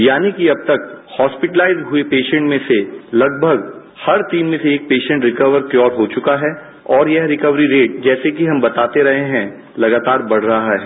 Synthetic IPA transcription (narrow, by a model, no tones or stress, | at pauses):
jaːnikiɐb̚t̪ɐkhɔːspɪʈəlaːɪzɦʊepeːʃə̃ɳʈmẽselɐɡ̚bʱəɡ | hɐɾt̪iːnmẽseeːk̚peːʃə̃ɳʈɾɪkəʋəɾkjɔːɾɦot͡ʃʊkaɦɛ | ɔːɾjɛɦɾɪkəʋɾiɾeːʈ̚d͡ʒɛːsekiɦɐ̃mbɐt̪aːt̪eɾɐɦeɦɛ̃ | lɐɡaːt̪aːɾbɐɽ̤ɾɐɦaɦɛː